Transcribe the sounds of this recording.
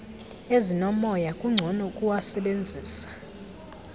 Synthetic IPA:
ezinɔmɔjakʼuŋ͡ǀʱɔnɔkʼuwasɛɓend͡zʱiːsḁ

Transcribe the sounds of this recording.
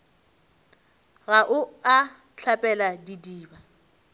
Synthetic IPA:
ɣaʔʊa | ɬʰapʼɛladidiːba

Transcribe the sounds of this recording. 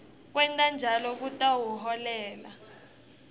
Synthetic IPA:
k̬wɛntʼand͡ʒʱalɔk̬utʼawuɦɔlɛːla

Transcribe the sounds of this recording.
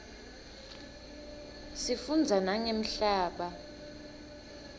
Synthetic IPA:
sifund͡zʱanaŋem̩ɬaːɓa

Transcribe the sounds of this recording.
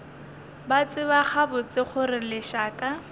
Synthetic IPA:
bat͡sʼɪbaχabʊt͡sɪχʊrɪlɪʃaːkʼa

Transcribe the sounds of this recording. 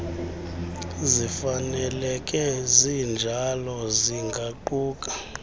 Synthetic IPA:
zifanɛlɛkʼɛzind͡ʒʱalɔziŋɡʱaǃuːkʼḁ

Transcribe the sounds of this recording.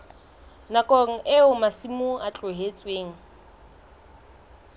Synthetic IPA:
nakʼɔŋ̩ʔeʊmasimuat͡ɬʼʊɦet͡sʼweːŋ̩

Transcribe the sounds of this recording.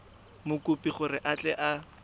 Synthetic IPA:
mʊkʊpʼiχʊrɪʔat͡ɬʼɛʔa

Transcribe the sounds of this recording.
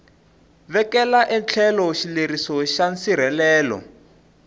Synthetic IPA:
βɛkɛlaʔɛnt͡ɬʰɛlɔʃileɾisɔʃansiɾ̤ɛlɛːlɔ̰

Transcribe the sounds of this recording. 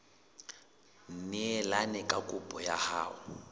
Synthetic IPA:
n̩nɪɛlanɛkʼakʼʊpʼɔjaha̰ːʊ

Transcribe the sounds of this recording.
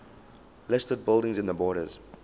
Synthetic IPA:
lɪstəd̚bɪlˠdɪ̃ŋzɪ̃nðəbɔːɾə̰z̥

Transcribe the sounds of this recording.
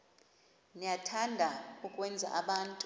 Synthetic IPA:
nijatʰandʱaukʼwɛnd͡zʱa̰ʔaɓaːntʼ

